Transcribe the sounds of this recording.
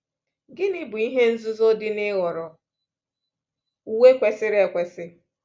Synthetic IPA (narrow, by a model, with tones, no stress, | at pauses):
ɡɪ˦nɪ˦bʊ˨i˦ɦe˦n̩˦zʊ˦zo˦dɪ˦nɪ˦ɣɔ˨ɾɔ˨ | u˦we˦kʷe˨sɪ˦ɾɪ˦e˨kʷe˨sɪ˦